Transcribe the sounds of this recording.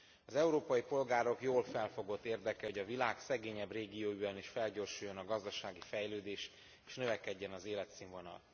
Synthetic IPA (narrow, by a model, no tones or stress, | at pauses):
ɒzɛuɾoːpɒjipo̞lɡaːɾo̞kjoːlfɛlfo̞ɡo̞t̪ːeːrd̪ɛkɛoɟɒvilaːksɛɡeːɲɛbreːɡioːyɛniʃfɛlɟoːrʃujːo̞nɒɡɒzd̪ɒʃaːɡifɛjløːd̪eːʃ | e̥ːʃnøvɛkɛɟːɛnɒzeːlɛt̪siɱvo̞nɒ̰l